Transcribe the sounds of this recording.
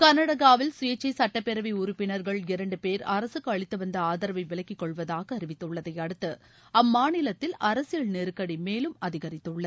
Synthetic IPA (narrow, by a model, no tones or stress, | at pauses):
kɐnɐɽɐɣaːʋɪlsʊjɐt͡ʃːɐɪsɐʈːɐpːɛɾɐʋiʊɾʊpːɪnɐɾɣɐɭɪɾɐɳɖɯpeːɾɐɾɐsɯkːɯɐɭɪt̪ːɯʋɐnd̪ɐaːðɐɾɐʋɐɪʋɪlɐkːɪkːɔɭʋɐðaːɣɐːɾɪʋɪt̪ːɯɭːɐðɐɪɐɽɯt̪ːɯ | ɐmːaːnɪlɐt̪ːɪlɐɾɐsɪjɐɭneːɾɯkːɐɽimeːlɯmɐðɪɣɐɾɪt̪ːɯɭːɐð